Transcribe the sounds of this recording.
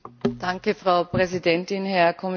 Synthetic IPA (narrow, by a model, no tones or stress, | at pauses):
d̥aŋkəfʁ̥aʊpʁɛzidɛntɪnhɛɐkʰɔmɪ